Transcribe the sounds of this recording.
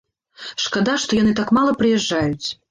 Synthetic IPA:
ʂkad̪aʂt̪ɔjanɨt̪akmalˠɐpɾɨjɛʐːajut͡sʲ

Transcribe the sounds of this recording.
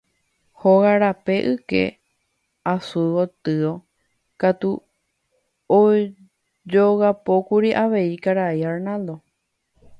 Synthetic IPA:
hoɣaɾape̞ʔɨke̞̰ | asuwot̪ɨo̞ | kat̪u | o | d͡ʒoɣapokuɾiʔaʋe̞ikaɾaiaɾnãld̪o̞

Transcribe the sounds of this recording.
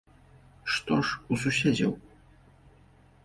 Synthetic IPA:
ʂt̪ɔʂususʲɛd͡zʲɐ̰w

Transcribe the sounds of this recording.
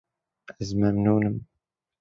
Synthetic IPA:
əzmæmnunəm

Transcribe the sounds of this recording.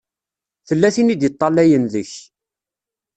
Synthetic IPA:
θəlːæθinid̪jət̪ˤːɑlːæjənðəç

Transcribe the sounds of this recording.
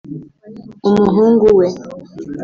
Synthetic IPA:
umuɦuŋɡuwɛ

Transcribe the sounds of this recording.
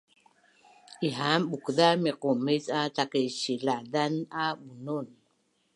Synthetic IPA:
ʔiɦamɓukðamiqumisatakeɕilaðanaɓunun

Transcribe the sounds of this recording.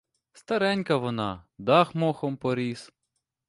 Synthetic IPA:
st̪ɐɾɛnʲkɐʋɔnɑd̪ɑxmɔxɔmpɔɾʲis

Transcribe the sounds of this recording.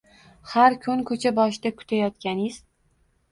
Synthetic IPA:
haɾkʰʊnkʰɵt͡ʃʰabɒʃd̪akʲʰʊ̥t̪ʰajɒt̪kʲanɪz̥

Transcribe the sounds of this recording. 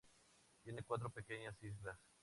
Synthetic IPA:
t̪je̞nekwat̪ɾope̞ke̞ɲasizlas

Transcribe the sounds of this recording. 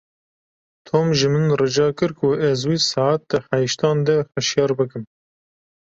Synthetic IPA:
t̪ʰoːmʒɨmɨnrɨd͡ʒɑːkɨɾkʰʊʔɛzwiːsɑat̪̚d̪ɨħæjiʃt̪ɑːnd̪ɛxɨʃjɑːɾbɨkɨm

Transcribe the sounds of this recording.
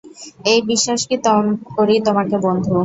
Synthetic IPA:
ejbiʃːaʃkit̪ɔkoɾit̪omakebond̪ʱuo

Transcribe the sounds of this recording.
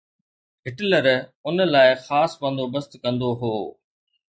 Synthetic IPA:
ɦɪʈləɾʊnlaːɪxaːsbə̃nd̪obəst̪kɐ̃nd̪oɦoː

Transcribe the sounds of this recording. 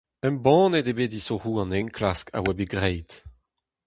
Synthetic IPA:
ɛ̃mbɑ̃ːnedebeːdisohuːɑ̃nɛ̃ŋkʰlaskʰa̰wɛbeɡʁejt

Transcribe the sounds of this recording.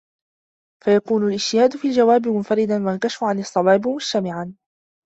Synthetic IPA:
fajakuːnʊlʔɪd͡ʒ̥t̪ɪhaːd̪ʊfiald͡ʒawaːbɪmʊnfaɾɪd̪anwankaʃafʊʕanɨsˤːɑwɑːbmʊd͡ʒt̪amɪʕan

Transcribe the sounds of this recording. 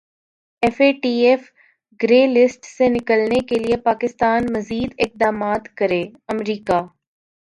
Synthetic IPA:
ɛfeːʈiːeːf | ɡɾeːlɪsʈsenɪkəlnekeliepaːkɪst̪aːnmɐziːd̪ɪk̚d̪aːmaːt̪kɐɾeːɐmɾiːkaː

